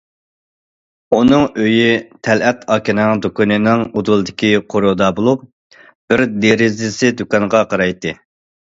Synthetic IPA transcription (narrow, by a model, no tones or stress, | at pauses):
unɨŋøjyt̪ʰɛlɛt̪ʰɑːkʲinɪŋd̪ukunɨnɪŋod̪ulˠɨd̪ɪkʲiqʰoɾod̪ɑbolˠup | b̥ɪɾd̪eɾɪzɪsɪd̪ukɑŋʁɑqʰɑɾɑjt̪ɨ